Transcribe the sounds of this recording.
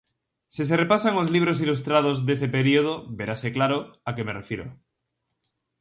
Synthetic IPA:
sis̬erepasaŋozliβ̞ɾos̬ilust̪ɾað̞ozðe̞s̬epeɾioð̞oβeɾaseklaɾoakemerefjiɾo̰

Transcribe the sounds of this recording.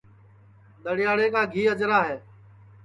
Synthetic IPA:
ɗ̪əɽɪjaːɽeːkaːɡʱiːəd͡ʒɾaːɦeː

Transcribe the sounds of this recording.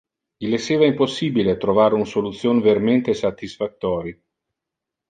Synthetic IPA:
ʎilesːeːvaimposːiːbilet̪ɾovaːɾeunsolut̪sːjoːneveɾament̪esat̪ːisfat̪ːɔːɾi

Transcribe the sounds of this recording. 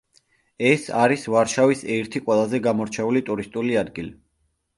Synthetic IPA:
ɛsaɾisvaɾʃavisɛɾt̪ʰiqʼwɛlˠazɛɡamɔɾt͡ʃʰɛulit̪ʼuɾist̪ʼuliad̪ɡili

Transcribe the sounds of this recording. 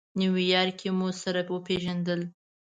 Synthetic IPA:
niwijɑɾkʰemosaɾawəpeʒand̪əl

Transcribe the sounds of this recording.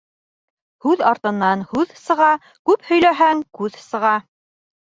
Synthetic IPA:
hʉðɑɾt̪ɤ̆nːɑnhʉðsɤ̆ʁɑ | kʉphɵ̆jlæɦæŋkʉðsɤ̆ʁɑ

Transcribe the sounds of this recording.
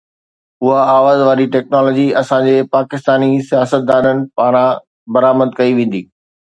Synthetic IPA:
ʊɦaaːʋaːzʋaːɾiʈɛːknɔːlɔːd͡ʑiɐsãd͡ʑeːpaːkɪst̪aːnisijaːsət̪̚d̪aːnənɪ̆paːɾ̃ã | bɐɾaːməd̪kɐiʋẽːn̆d̪iː

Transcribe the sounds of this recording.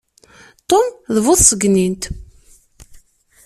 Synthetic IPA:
t̪ˤomðəvʊðsəɡnint̪

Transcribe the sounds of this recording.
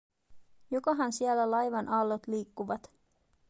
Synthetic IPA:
jokɑɦɑnsiælːælɑjʋɑnʔɑlːot̪liːkːuʋɑt̪

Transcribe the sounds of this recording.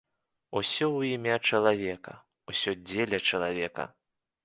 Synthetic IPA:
usʲɔwimʲat͡ʂɐlˠavʲɛkɐ̰ | usʲɔd͡zʲelʲɐt͡ʂɐlˠavʲɛkɐ̰

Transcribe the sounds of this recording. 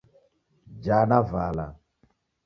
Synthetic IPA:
d͡ʒanava̰la̰

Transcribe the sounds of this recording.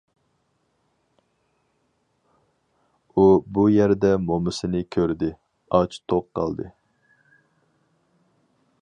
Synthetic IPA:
ubujæɾd̪ɛmomɨsɨnɪkʲʰøɾd̪ɪ | ɑt͡ʃt̪ʰoqqːɑ̰lˠd̪ɨ

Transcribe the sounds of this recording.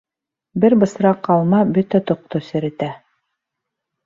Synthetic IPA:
bɘɾbɤ̆sɾɑqːɑlˠmɑbɵt̪æt̪ŏq̚t̪osɘ̆ɾɘ̆t̪æ

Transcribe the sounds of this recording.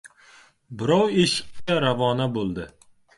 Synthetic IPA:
bɪɾɒweʃɪ̥q̚t͡ʃaɾavɒnabolˠd̪ɪ

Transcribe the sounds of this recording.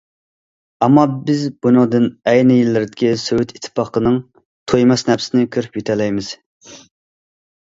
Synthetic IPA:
ɛmːɑbɪzbunɨŋd̪ɨnɛjnɪjilːɪɾd̪ɪkʲisøwyt̪ʰi̥t̪ʰːɨ̥pɑqənɨŋ | t̪ʰojmɑsnɛpsɪnɪkʲʰøɾypjet̪ʰɛlɛjmɪz̥

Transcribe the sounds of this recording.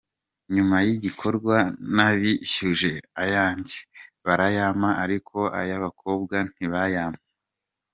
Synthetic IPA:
ɲumajiɟikʰo̞ɾɡwanaβiçuʒe̞ajaːɲɟe̥βaɾajamaaɾikʰo̞ʔa̰jaβakʰo̞ːb̚ɡan̥iβajaːma

